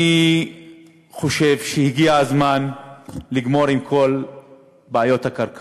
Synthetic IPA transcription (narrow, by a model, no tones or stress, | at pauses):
i | χo̞ʃe̞vʃehiɡiaːzmanliɡmo̞ʁimkʰo̞l | beajo̞thakaʁk